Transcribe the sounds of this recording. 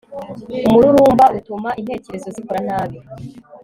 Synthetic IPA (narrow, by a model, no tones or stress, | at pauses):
umuɾuɾuːmbaʔutumaʔin̥he̞ːce̞ɾezo̞zikuɾan̥aːβjo